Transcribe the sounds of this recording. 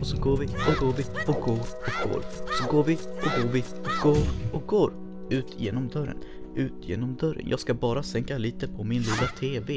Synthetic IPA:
ɔsɔɡoːɾvɪɔɡoːɾvɪɔk̚ɡoːɾɔk̚ɡo̰ːɾɔsɔɡoːɾvɪɔɡoːɾvɪɔk̚ɡ̥oːɾʔɔk̚ɡoːɾ | ʉ̟ːt̪ʰjeːnɔmd̪œɾːə̰n | ʉ̟ːt̪jḛːnɔmd̪œɾːə̰njʔɑ̰ːɡskabɑːɾasɛŋkaliːt̪əpʰɔmɪnliːlat̪ʰeːve

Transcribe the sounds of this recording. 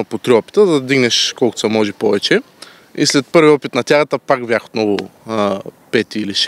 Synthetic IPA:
pot̪ɾiɔpi̥t̪əd̪ɐd̪iɡnɛʃkɔlkʊt̪sɐmɔʒipɔvɛt͡ʃɛ | ḭslɛt̪̚pɤɾviɔpit̪nɐt̪ʲjaɣət̪əpaɡbjaxo̥t̪nɔvʊ | pɛt̪iiliʃ

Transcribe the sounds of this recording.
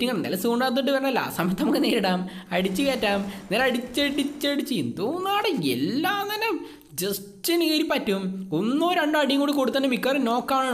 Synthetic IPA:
tːiŋːɐɭnːɐ̰lɐsuoɳɖaːt̪t̪ːiʈ̬ːɨʋɐrɐɳɐlːa̰sɐmɐt̪ʰːɐmokːeneːɾiɽaːmɐɽit͡ɕːɨkeːtːaːmniːlɐɽit͡ɕːɐɽit͡ɕːɐɽit͡ɕːiind̪oːnːaːɽeḛlːaːnɐne | d͡ʑes | tineːɾipːɐtːumonːoːɾɐɳɖɨɐɽijɐŋːɡoːɽikoɽut̪ːɐnːumikʲːaːreno̞ːkːaːɳ

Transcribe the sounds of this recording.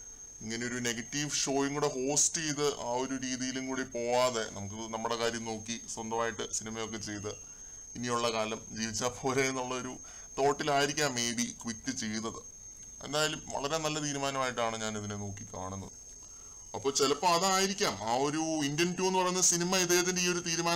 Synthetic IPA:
iŋːɐneo̞ɾune̞ɡɐtːiʋʂo̞ːjiŋːuɽe̞ɦo̞ːstejðɨʔaːo̞ɾuɾiːðijilumkuːɽipo̞ːʋaːðe̞nɐ̰muk̬ːɨnɐmːuɽe̞kaːɾjɐmno̞ːkːiswɐnd̪ɐmaːjiʈːɨsinimɐjo̞kːe̞t͡ɕe̞jt̪ɐ | inijuɭːɐkaːlɐmd͡ʑiːʋit͡ɕːaːðpʰo̞ːle̞enːuɭːɐo̞ɾu | t̪o̞ːʈːilaːjiɾikʲːaːmːe̞jbikʋikːɨt͡ɕe̞junːɐðɨ | e̞̰nd̪aːjilumʋɐ̰ɭɐɾe̞nɐlːɐt̪̬iːɾumaːnɐmaːjiʈːaːɳɨɲaːnɐðineno̞ːkːika̰ːɳunːɐðɨ | ɐpːo̞ːt͡ɕelɐpːoːɐðɨaːjiɾikʲːaːmaːo̞ɾuindentːuːe̞nːupɐrɐjunːɐsinimɐiðeːhɐt̪indeiːo̞ɾut̪iːɾumaː

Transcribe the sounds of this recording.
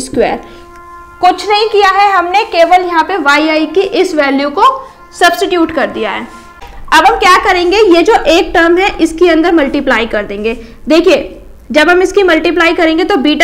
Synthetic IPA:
skwḛːɾ | kʊt͡ʃʰnɐɦĩkijaɦɛɦɐmnekeːʋəljɐɦãpeʋaːiaːikiʔɪsʋɛːljuko | sɐbsʈɪʈjuːʈkɐɾd̪ijaɦɛ̰ː | ɐbɦɐmkjaːkɐɾẽːŋɡejed͡ʒoːʔeːk̚ʈəɾmɦɛʔɪskiɐ̃nd̪əɾmɐlʈiplaːikɐɾd̪ẽːŋɡeː | d̪eːkʰie | d͡ʒɐbɦɐmɪskimɐlʈiplaːikɐɾẽːŋɡet̪obiːʈ

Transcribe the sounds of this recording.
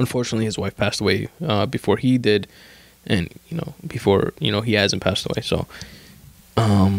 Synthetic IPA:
ə̃ɱfɔɹt͡ʃɨnətˡliɨzwaɪfpʰæstəweɪʌbɨfɔɹidɪd | ʔɨ̃njɨno̰ʊb̥ɨfɔ̰ɹjɨ̰ñoʊiæzɨ̃npʰæstəwḛɪsoʊ | ʌ̃m

